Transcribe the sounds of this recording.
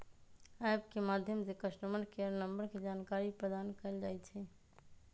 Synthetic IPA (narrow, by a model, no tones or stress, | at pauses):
ajbkemad̪ʱjəmd͡ʒekəsʈəmənkejəɾnəmbəɾked͡ʒaːnkaɾipɾəd̪ankəɪld͡ʒajt̪t͡ʃʰɛ